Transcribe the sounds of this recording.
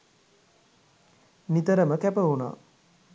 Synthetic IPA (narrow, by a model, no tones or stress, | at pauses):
nit̪əɾəməkæpəuna̰ː